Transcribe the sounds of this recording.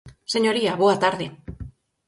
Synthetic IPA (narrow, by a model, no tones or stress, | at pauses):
se̞ɲo̞ɾiaβoat̪aɾðe